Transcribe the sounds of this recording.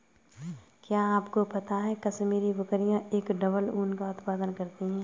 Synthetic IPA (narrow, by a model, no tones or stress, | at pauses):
kjaːaːpkopɐt̪aɦɛkɐsmiːɾiʋɐkɾijãeːkɖɐbəluːnkaʊt̪paːd̪ənkɐɾt̪iɦɛ̃ː